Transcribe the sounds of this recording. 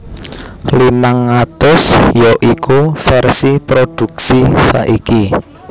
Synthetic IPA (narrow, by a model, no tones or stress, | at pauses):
limaŋːat̪ʊsjɔʔikufɛrsipɾod̪̥ṳk̚sisa̰ʔiki